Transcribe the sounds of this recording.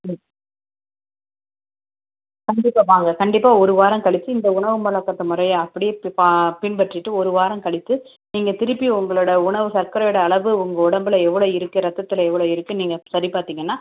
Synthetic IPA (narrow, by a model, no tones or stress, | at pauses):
kɐɳɖɪpːaːʋaːŋɡɐkɐɳɖɪpːaːɔɾɯʋaːɾɐ̃mkɐɭɪt̪ːɯɪnd̪ɐʊɳɐʋɯmɐɭɐkːɐt̪ːɐmʊɾɐjaɐpːɐɽɪjepapɪɳpɐʈrɪʈːɯɔɾɯʋaːɾɐ̃mkɐɭɪt̪ːɯ | niːŋɡɐt̪ɪɾɯpːiʊŋɡɐɭɯɽɐʊɳɐʋɯsɐɾkɐɾɐjʊɽɐːɭɐʋɯʊŋɡɐʊɽɐmbɪlɐɛʋːɐɭoːɪɾɯkːɯɾɐt̪ːɐt̪ːɪlɐɛʋːɐɭoːɪɾɯkːɯniːŋɡɐsɐɾipaːɾt̪iːŋɡɐnːaː